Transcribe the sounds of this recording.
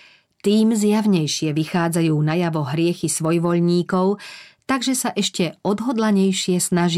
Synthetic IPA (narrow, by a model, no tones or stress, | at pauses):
t̪iːmzjaʋɲɛjʃɪɛʋixaːd͡zajuːnajaʋɔɦɾɪɛxisʋɔjʋɔʎɲiːkɔʊt̪aɡʒɛsaʔɛʃcɛɔd̪ɦɔd̪laɲɛjʃɪɛsnaʒ